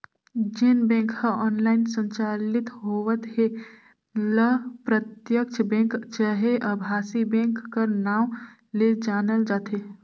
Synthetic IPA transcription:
d͡ʒɪnbẽːŋkhəɔːnlaːɪnsə̃ɲt͡ʃaːlɪt̪ɦoːʋət̪ɦe | ləpɾət̪jəkt͡ʃʰbẽːŋkt͡ʃəɦeʔəbʱaːsibẽːŋkːəɾnaːm | led͡ʒaːnəld͡ʒaːt̪eː

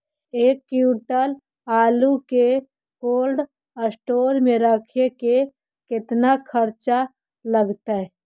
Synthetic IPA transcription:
eːkːjuːʈəl | aːluke | koːlɖ | əsʈoːɾmẽɾəkʰeke | kɪt̪nakʰəɾt͡ʃa | ləɡt̪aɦɛ

